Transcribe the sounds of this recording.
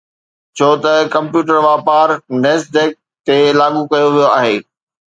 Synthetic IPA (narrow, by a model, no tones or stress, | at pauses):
t͡ɕʰoːt̪ɐkɐ̃mpjuːʈəɾʋaːpaːɾneːsdek̚ | t̪elaːɠukɐjoʋijoaːɦeː